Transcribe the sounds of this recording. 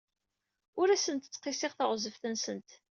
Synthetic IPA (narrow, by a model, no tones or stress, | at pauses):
ʊɾæsənt̪ə̥t͡sːqɪsɪʁθəʁzəfθənsənt̪